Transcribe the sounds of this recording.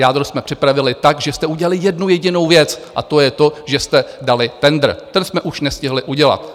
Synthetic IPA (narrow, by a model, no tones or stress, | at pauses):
jaːd̪ɾosmɛpr̥ɪpɾavɪlɪt̪akʒɛst̪ɛuɟɛlalɪjɛdnujɛɟɪno̞wvjɛt͡sʔa̰t̪ojɛt̪o̞ʒɛst̪ɛdalɪt̪ɛnd̪r̩t̪ɛnsmɛʔuʃnɛscɪɦlɪʔuɟɛla̰t̪